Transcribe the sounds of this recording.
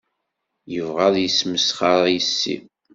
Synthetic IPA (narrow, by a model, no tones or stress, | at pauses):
jəvʁaðˤjəsməsχɑɾˤjəsːḭ